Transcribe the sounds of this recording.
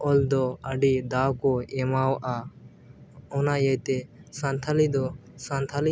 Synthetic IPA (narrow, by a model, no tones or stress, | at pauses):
ɔld̪ɔəɖid̪awkɔemawʔa | ɔnajəjt̪esãnt̪ʰalid̪ɔsant̪ʰali